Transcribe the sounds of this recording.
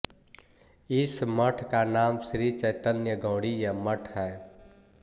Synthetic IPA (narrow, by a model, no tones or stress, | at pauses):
ɪsməʈʰkanaːmsɾit͡ʃəɪt̪ənjəɡʱõːɽijəməʈʰɦɛː